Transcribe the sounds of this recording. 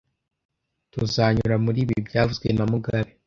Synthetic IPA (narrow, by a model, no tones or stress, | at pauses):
tuzaɲuɾamuɾiːβibɟaːvuzɡwe̞namuɡaβe